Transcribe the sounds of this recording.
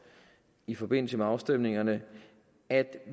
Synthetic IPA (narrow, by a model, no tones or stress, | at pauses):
ifɒ̽b̥e̝n̰l̩səmeɑ̈ʊsd̥em̰ne̝ŋɐnə | æd̥